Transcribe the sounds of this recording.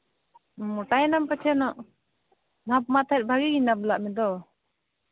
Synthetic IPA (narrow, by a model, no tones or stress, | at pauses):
muʈajɛnampat͡ʃʰɛnɔʔ | bʱap̚mat̪ʰat̪̚ˀbʱaɡiɡinablaʔmɛd̪ɔ